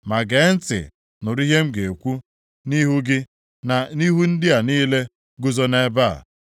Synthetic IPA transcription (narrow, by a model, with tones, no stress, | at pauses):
ma˨ɡe˨˦n̩˦tɪ̰˨ | nʊ˨ɾi˦ɦe˦m̩˦ɡe˨e˨kʷu˦ | ni˦ɦu˦ɡɪ˦ | na˨ni˦ɦu˦n̩˦dɪ˦a˨niː˦le˦ | ɡʊ˦zo˦ne˦ba̰˦˨